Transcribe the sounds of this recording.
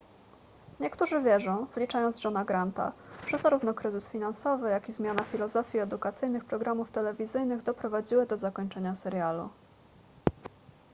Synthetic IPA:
ɲɛkt̪uʐɘvʲjɛʐɔ̃w̃vlʲit͡ʂajɔnd̪zʐɔnaɡɾant̪a̰ʐ̥ɛzaɾuvnɔkɾɘzɘsfʲinansɔvɘjakizmʲjanafʲilɔzɔfʲiɛd̪ukat̪sɘjnɘxpɾɔɡɾamuft̪ɛlɛvʲizɘjnɘɣd̪ɔpɾɔvad͡ʑiwɘd̪ɔzakɔɲt͡ʂɛɲasɛɾjalṵ

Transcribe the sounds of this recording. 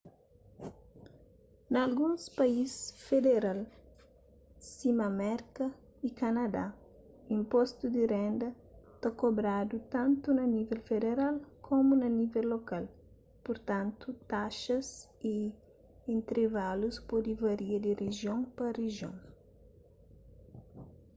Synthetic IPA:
nɐlɡũŋspɐisfed̪eɾal | simɐmɛɾkɐ | ikɐnɐd̪a̰ | ĩmpɔst̪ud̪irɛ̃nd̪ɐ | t̪ɐkobɾad̪ut̪ãnt̪unɐnivɛlfed̪eɾalkʰomunɐnivɛlːokal | puɾt̪ãnt̪ut̪aʃɐs | i | ẽnt̪ɾevaluspɔd̪ivɐɾiɐd̪ireʒjõŋpɐriʒjõ̰ŋ

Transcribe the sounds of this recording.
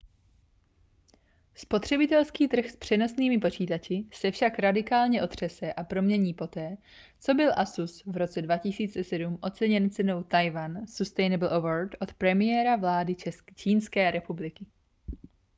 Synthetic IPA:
spo̞t̪r̥ɛbɪt̪ɛlskiːt̪r̩xspr̝̥ɛno̞sniːmɪpo̞t͡ʃiːt̪at͡ʃɪsɛfʃakɾadɪkaːlɲɛʔo̞t̪r̝̥ɛsɛʔapɾo̞mɲɛɲiːpo̞t̪ɛː | t͡so̞bɪlʔasusvɾo̞t͡sɛdvacɪsiːt͡sɛsɛdumʔo̞t͡sɛɲɛnt͡sɛno̞wt̪ajvansust̪ɛjnɛbl̩ʔovoɾt̪ʔo̞t̪pɾɛmɪjɛɾavlaːdɪt͡ʃɛt͡ʃiːnskɛːɾɛpublɪkɪ

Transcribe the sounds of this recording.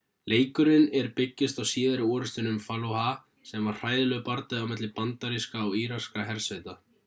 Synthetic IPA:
leːjkʏɾɪnɛɾpɪcːɪst̪awsiːðaɾɪɔːɾʏst̪ɪnʏmfalowha | sɛmvaɾ̥r̥aːjðɪlœɣpaɾt̪aðɪawmɛt̪lɪpant̪aɾiskaɔwiːɾaskaɦɛɾ̥set̪a

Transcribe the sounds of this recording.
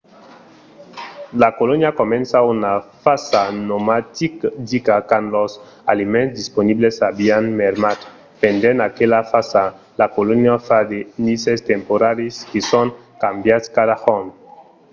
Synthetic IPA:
lakolonjakomẽnsaunafasanomat̪ikd̪ikakanlos | alimẽnzd̪isponiblesabianmeɾmat̪ | pend̪enakelafasa | lakolonjafad̪enisest̪empoɾaɾiskesoŋ | kambjat̪skadaxon

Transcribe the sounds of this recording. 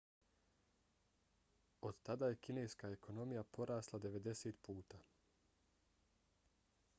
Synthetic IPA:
o̞d̪̥t̪ad̪aːje̞kine̞jskaekʰo̞no̞mijapo̞ɾaːslˠad̪e̞ʋe̞d̪e̞set̪puːt̪aː

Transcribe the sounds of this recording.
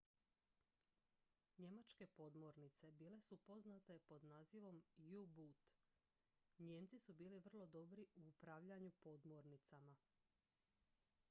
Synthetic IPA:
ɲe̞mat͡ʃke̞po̞d̪mo̞ɾnit̪se̞biːle̞supo̞znat̪e̞po̞d̪naːziʋo̞mjubut̪ | ɲemt̪sisubiːliʋr̩lˠo̞d̪o̞bɾiuupɾaʋʎaɲupo̞d̪mo̞ɾnit̪sama

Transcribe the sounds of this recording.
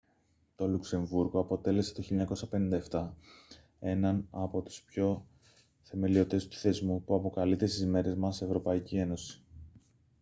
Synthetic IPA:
t̪o̞lukse̞ɱvuɾɣo̞ɐpo̞t̪e̞le̞se̥t̪o̞çilʎːɐɲɐko̞sɐpe̞nind̪ɐeft̪ɐ | e̞nɐnɐpo̞t̪u̥spço̞ | θe̞me̞lio̞t̪e̞st̪u̥θe̞zmupuɐpo̞kɐlit̪e̞st̪izme̞ɾe̞zmɐsevɾo̞pɐicie̞no̞si̥

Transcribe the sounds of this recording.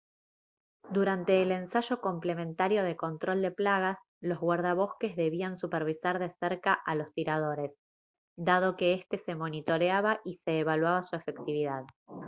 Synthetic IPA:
d̪uɾant̪e̞ːle̞nsaʒo̞ko̞mple̞mẽ̞nt̪aɾjo̞ð̞e̞ko̞nt̪ɾo̞ld̪e̞plaɣas | lo̞zɣwaɾð̞aβo̞ske̞zðe̞βiansupeɾβisaɾðe̞seɾkaʔalo̞st̪iɾað̞o̞ɾe̞s | d̪að̞o̞ke̞est̪e̞se̞mo̞nit̪o̞ɾeaβaʔise̞ːβalwaβasue̞fe̞kt̪iβiðað

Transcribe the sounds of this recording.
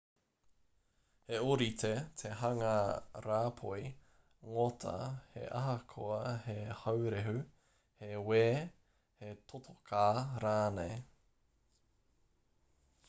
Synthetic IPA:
heoɾitʰetʰeɦɐŋaɾaːpʰoi | ŋotʰɐ̰hḛʔɐ̰ɦɐkʰoɐhehɐwɾeɦʉ | heweː | hetʰotʰokʰaːɾaːnej

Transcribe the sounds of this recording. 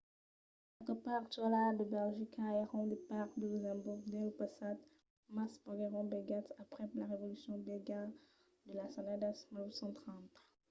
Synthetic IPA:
ɛlt̪əpaʁt̪ualad̪əbɛlʒikʰaɛʁɔ̃d̪epaʁd̪əlyzɛ̃buʁd̪ɛ̃ləpasad̪ | maspɔɡɛʁɔ̃bɛɡat̪apχɛlaʁevɔlysjɔ̃bɛɡa | d̪əlasãnad̪asmilwisɑ̃t̪χɑ̃t̪

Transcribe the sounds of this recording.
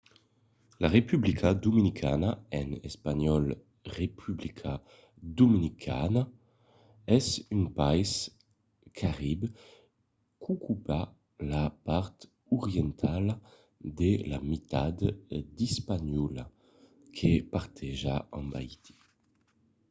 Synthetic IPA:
laʁepyblikʰad̪uminikʰa̰naɛnɛspaɲɔl | ʁepʰyblikʰa | d̪uminikʰa̰na | ɛsynpajs | kʰaʁib | kʰukʰupa | lapaʁt̪ | uʁjɛnt̪ʰal | d̪ela̰mit̪ad̪d̪ispaɲɔla | kʰepaʁt̪ʰɛʒaãmba̰it̪i̥

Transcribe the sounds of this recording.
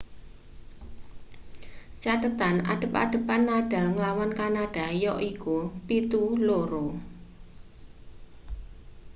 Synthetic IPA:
t͡ʃat̪ət̪ana̰ɖ̥ə̤pa̰ɖ̥ə̤panːaɖ̥a̤ŋəlawankanaɖ̥a̤jɔʔikupit̪uloɾo

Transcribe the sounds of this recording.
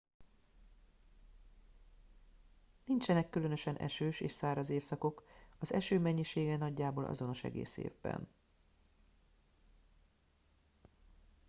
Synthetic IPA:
nint͡ʃɛnɛkːylø̞nø̞ʃɛnʔɛ̰ʃøːʃḛːʃsaːɾɒzeːfsɒko̞kɒzɛʃøːmɛɲːiʃeːɡɛnɒɟːaːboːlʔɒ̰zo̞no̞ʃɛ̰ɡḛːsḛːvbɛ̰n

